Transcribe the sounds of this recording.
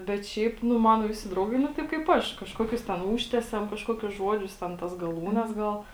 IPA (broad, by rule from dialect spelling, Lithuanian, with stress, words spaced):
bʲɛt ˈʃʲɛɪp ˈnʊ ˈmɑːnoː ˈʋʲɪsʲɪ ˈdrɐʊɡɐɪ nʊ ˈtɐɪp kɐɪp ˈɐʃ kɐʃˈkoːkʲʊs tʲɛn ˈuːʃʲtʲɛsʲɛm kɐʃˈkoːkʲʊs ˈʒuɔd͡ʒʲʊs tʲɛn ˈtɐs ɡɐˈlˠuːnʲɛs ˈɡɐlˠ